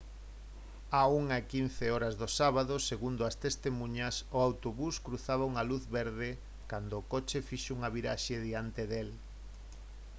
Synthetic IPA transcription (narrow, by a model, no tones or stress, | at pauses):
auŋaekin̟θeɔɾazðosaβaðoseɣund̪ʊɐst̪est̪emũɲɐsʊawt̪oβuskɾuθaβauŋɐluθβeɾðɪ | kand̪oːkot͡ʃefiʃouŋɐβiɾa̰ʃeðiant̪eðel